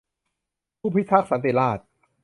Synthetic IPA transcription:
pʰuː˥˩pʰi˦˥t̪ʰa˦˥k̚sa˨˩˦nt̪i˨˩laː˥˩t̪̚

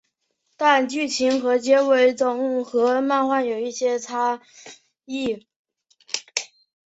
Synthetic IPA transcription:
t̪a˥˧nt͡ɕy˥˩t͡ɕʰi˧˥nxɤ˧˥t͡ɕjɛ˥we˧˥ɪt͡sʊ˨˩ŋ̩˥˩xɤ˧˥ma˥˧nxwa˥˩njo˨˩ʊi˥˩ɕjɛ˥t͡sʰa˥ | i˥˩

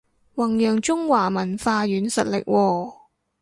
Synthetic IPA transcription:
wɐ˨˩ŋjœː˨ŋt͡ʃʊ˥ŋwaː˨˩mɐ˨˩nfaː˧jyː˨˥nsɐ̰˨t̚lɪ̰˨k̚wʔɔː˧

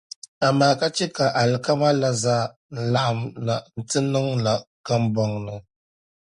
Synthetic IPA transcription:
a˨maː˨˦ka˦t͡ʃɛ˦ka˨ʔa˨lɨ˨ka˦ma˦la˦zaː˦ | n̩˦la˦˨ʔa˨mna˨n̩˨tɨ˦nɨ˦ŋla˨ka˦mbɔ˦ŋnɨ˨

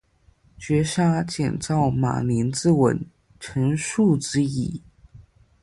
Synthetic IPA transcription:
t͡ɕɥɛ˧˥ʂa˥t͡ɕjɛ̰˨˩nt͡sɑ˥˩ʊma̰˨˩li˧˥nt͡sɹ̩˥˧wə̰˧˥n | ʈ͡ʂʰə˧˥nʂu˥˩t͡sɻ̩˥i˨˩˦

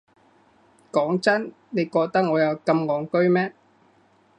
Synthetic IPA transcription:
kɔː˨˥ŋt͡sɐ˥n | ne˨˧jkɔː˧k̚t̪ɐ˥k̚ŋɔː˨˧jɐ˨˧wkɐ˧mŋɔː˨ŋkɵ˥ɥmɛː˥

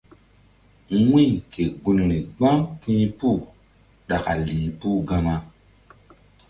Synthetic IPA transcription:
wĩ˦˨kʰe˨ɡu˨no˨ne˨ɡ͡bã˦ŋtĩ˦pu˦˨ | ɗa˨ka˨li˨pu˦ɡã˦ma˦

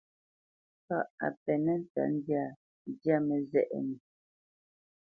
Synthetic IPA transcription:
pa̰˦˨ʔa̰˨pɛ˨nɛ˦n̩˦ta̰˨˦n˦dja˦˨˦ | dja˦mɛ˨zɛ̰˦˨ʔɛ̰˨ni˨

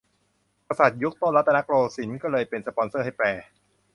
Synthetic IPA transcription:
ka˧sa˨˩t̪̚ju˦˥k̚t̪o˥˩nla˦˥t̪ːa˧na˦˥kɾoː˧si˩˦nkɔː˥˩lɤː˧jpe˧nsa˧pɔ˧˦nsɤː˥˩ɦa˥˩jpɛː˧

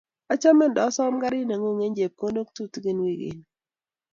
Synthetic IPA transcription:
a˦t͡ʃa˦mɛ˦n˨dɔ˨˦sɔ˦mɡa˦ɾɪ˦ne˨ŋo˦˨ŋe˦ɲd͡ʒe˨p̚ko˦ndo˦k̚tu˦tɡɪ˦nwi˦˨ɡɪ̰˨n

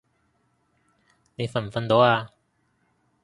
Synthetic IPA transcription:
ne˨˧jfɐ˨˩nfɐ˨˧nt̪o˨˥waː˧

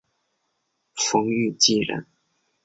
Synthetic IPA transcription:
fɤ˧˥ŋy˥˧t͡ɕi˥˩ɻə̰˧˥n

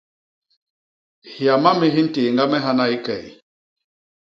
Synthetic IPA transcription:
hja˨ma˦mi˦ɦi˦n̩˦teː˨ŋɡa˦mɛ˦ɦa˦na˦i˦kɛ˨i˨

